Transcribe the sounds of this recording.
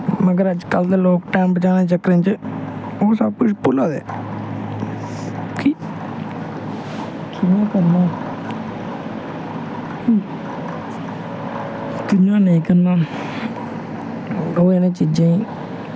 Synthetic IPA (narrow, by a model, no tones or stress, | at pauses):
məɡəɾəd͡ʒkəld̪eːloːkʈaːmbət͡ʃaːnẽːt͡ʃəkɾẽːt͡ʃ | oːsəb̚kʊt͡ʃʰpʊlaːd̪ḛː | ki | kʰɪnãːkəɾnaː | k | kɪãːnəĩːkəɾnaː | oːenẽːt͡ʃiːd͡ʒãːĩː